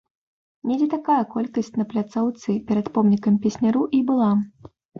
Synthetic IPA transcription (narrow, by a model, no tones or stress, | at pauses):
nʲɛd͡zʲɛt̪akajɐkɔlʲkɐsʲt͡sʲnɐplʲat̪sawt̪sɨpʲɛɾɐt̪pɔmnʲikɐmpʲɛsʲnʲaɾuʔibɨlˠa